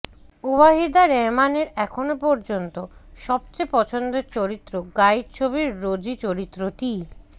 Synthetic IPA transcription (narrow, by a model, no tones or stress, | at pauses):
uβaɦid̪aɾemaneɾɛkʰonopɔɾd͡ʑont̪oʃɔb̚t͡ɕepɔt͡ɕʰond̪ot͡ɕoɾit̪ːɾoɡajɾt͡ɕʰoβiɾːod͡ʑit͡ɕoɾit̪ːɾot̪i